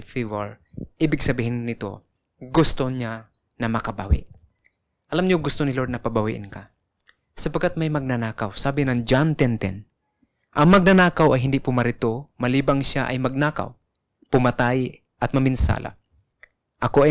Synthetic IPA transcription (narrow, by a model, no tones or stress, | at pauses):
fivaɹʔiːbɪɡsɐbiːhɪnːɪt̪o̰ | ɡʊst̪oɲa | nɐmɐkɐbawɪ̰ʔ | ʔɐlamɲʊɡʊst̪onɪloɾd̪nɐpabawḭʔɪ̰nka | sɐpaɡ̚kːat̪̚majmɐɡ̚nɐnaːkawsaːbɪnɐŋd͡ʒant̪ɛnt̪ɛ̰n | ʔɐŋmɐɡ̚nɐnaːkawɐjɦɪnd̪ɪʔpʊmɐɾɪt̪omɐliːbaŋʃaʔɐjmɐɡ̚naka̰w | pʊmɐt̪aj | ʔɐt̪̚mɐmɪnsa̰ːla̰ | ʔɐkoa